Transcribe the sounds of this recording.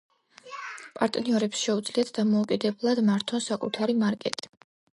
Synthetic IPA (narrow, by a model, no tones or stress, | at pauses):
pʼaɾt̪ʼniɔɾɛpsʃɛud̪z̥liat̪ʰd̪amɔukʼid̪ɛblˠad̪maɾt̪ʰɔnsakʼṵt̪ʰaɾimaɾkʼɛt̪ʼi̥